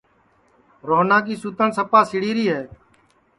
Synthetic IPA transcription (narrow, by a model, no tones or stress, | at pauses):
ɾoːnãːk̬iːsuːt̪əɳsəpaːsɪɽiːɾiːɦɛː